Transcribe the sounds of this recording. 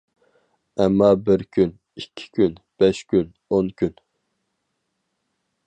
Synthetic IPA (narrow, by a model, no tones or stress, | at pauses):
ɛmːɑːbɪɾkʲʰyn | ikʲʰːi̥kʲʰynb̥ɛʃkʲyn | onkʲyn